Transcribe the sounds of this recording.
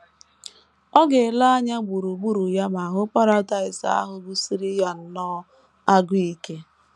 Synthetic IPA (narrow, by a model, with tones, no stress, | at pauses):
ɔ˦ɡe˨la˦a˦ɲa˦ɡ͡bu˨ɾu˨ɡ͡bu˦ɾu˨ja˦ma˨a˨ɦʊ˦pa˦ɾa˦da˨ɪ˨sa̰˦˨a̰˦ɦʊ˦ɡu˦si˦ɾi˦ja˨n̩˦nɔ˦ | a˦ɡʊ˦i˦ke˦